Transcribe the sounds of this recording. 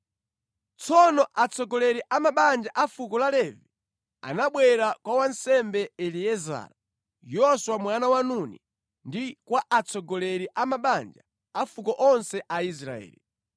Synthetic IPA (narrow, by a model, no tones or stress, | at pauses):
t͡sʰɔnɔʔat͡sɔɡɔlɛɾiʔamaɓand͡ʒaʔafukɔlalɛvi | a̰naɓwɛɾakwawansɛmbɛɛliɛza̰ːɾa | jɔswamwanawanunḭ | ndikwaʔat͡sɔɡɔlɛɾiʔamaɓand͡ʒa | afukɔʔɔnsɛʔais̬ɾa̰ɛ̰ːli